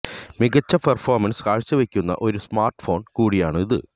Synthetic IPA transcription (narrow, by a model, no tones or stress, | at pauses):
miɣɐt͡ɕːɐpɐrfo̞ːrmɐnsɨ̥kaːɻt͡ɕːɨʋekʲːunːɐ̰ʔo̞ɾusmaːrʈɨ̥fo̞ːnkuːɽijaːɳɨiðɨ̰